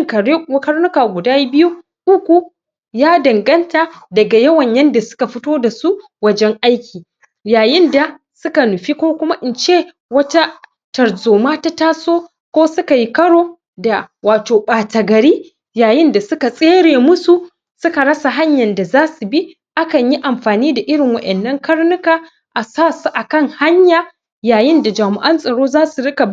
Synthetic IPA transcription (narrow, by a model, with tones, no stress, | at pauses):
ŋkɐ˨˦kɐ˦ɽnʊ˦kaː˨ɡʷʊ˨daː˦bɪ˦ju˦ | ʔʊ˦kʷu˨ | jaː˦dɐ˨ŋɡɐ˦ntaː˨dɐ˨ɡa˨jɐ˦wɐ˨ɲjɐ˦nda˨sʊ̥˦ka˨ɸɪ˦toː˦da˨su˦ | wɐ˦d͡ʒɛ˦ŋʔa˦jkʲʰiː˨ | jaː˨jɪ˦nda˨ | sʊ˦ka˨nʊ˨ɸi˦kʷoː˦kʷʊ˦ma˦ʔɪ˨nt͡ʃeː˦ | wɐ˦ta˦ | tɐ˨ɽzoː˨maː˦ta˦taː˦soː˦ | kʷoː˦sʊ˦ka˨ji˦kɐ˦ɽoː˦ | da˨waː˨toː˨ɓaː˨tɐ˨ɡɐ˨ɽiː˦ | jaː˨jɪ˦nda˨sʊ˦ka˨sʼeː˦ɽeː˨mʊ˦su˨ | sʊ˦ka˨ɽɐ˦sa˨ɦa˦ɲjɐ˨nda˨zaː˦su˨bi˦ | ʔa˦kɐ˨ɲji˦ʔa˨mɸaː˨niː˦da˨ʔɪ˦ɽɪ˨ŋwɐ˦ʔɛ˨nːɐ˦ŋkɐ˦ɽnʊ˦kaː˨ | ʔa˨saː˦˨su˨ʔa˨kɐ˦ŋha˦ɲjaː˨ | jaː˨jɪ˦nda˨d͡ʒaː˨mɪ˨ʔɐ˦nsʼɐ˨ɽoː˦zaː˦su˨ɽɪ˦kɐ˨b